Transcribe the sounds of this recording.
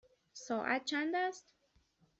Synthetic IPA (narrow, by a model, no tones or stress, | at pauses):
soʔa̰t͡ʃand̪ast̪